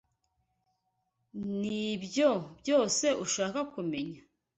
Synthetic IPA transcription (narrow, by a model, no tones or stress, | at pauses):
nibjobjo̞ːse̞ʔuʃaːkakume̞ɲa